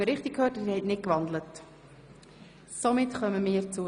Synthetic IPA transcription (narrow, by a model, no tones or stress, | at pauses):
əɾɪχtɪkʰøːtɪhɛtnɪt̚kʋɑnd̪lət | somɪtχœməmiːəɾt͡su